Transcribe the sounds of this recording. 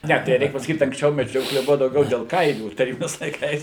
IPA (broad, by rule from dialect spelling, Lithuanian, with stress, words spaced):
ˈnʲɛ tɐɪ ˈrʲɛɪk pɐsɐˈkʲiːt ɐŋksʲˈt͡ʃʲɛʊ mʲɛˈd͡ʒʲoːklʲɛ ˈbʊʋɐ dɐʊˈɡʲɛʊ dʲɛlˠ ˈkɐɪlʲuː tɐˈrʲiːbʲɪnʲɛɪs lˠɐɪˈkɐɪs